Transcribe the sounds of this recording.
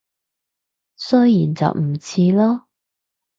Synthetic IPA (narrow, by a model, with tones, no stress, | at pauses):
sœ˥jjiː˨˩nt͡sɐ̰˨wm̩˨˩t͡sʰiː˧lɔː˥